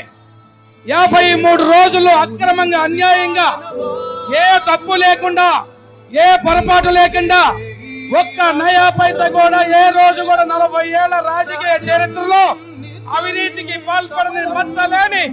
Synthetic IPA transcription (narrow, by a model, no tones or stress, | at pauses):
jaːbʱɐjmuːɽuɾo̞ːd͡ʒuluɐkɾɐmɐŋɡaːɐnjaːjɐŋɡaː | eːt̪ɐpːuleːkuɳɖaː | eːpɐɾɐpaːʈuleːkuɳɖaː | wɔkːɐnɐjaːpɐjt̪ɐkuːɽaːeːɾo̞ːd͡ʒukuːɽaːnɐlɐbʱɐjɛːɭːɐɾaːd͡ʒɐkiːjɐt͡ʃɐɾit̪ɾɐloː | ɐʋiniːt̪ikipaːlpɐɽinibɐt̪ːɐle̞ːni